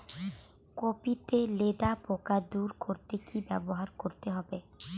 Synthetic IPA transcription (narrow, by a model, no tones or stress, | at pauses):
kopit̪eled̪apokad̪uɾkoɾt̪ekibɛboɦaɾkoɾt̪eɦɔbe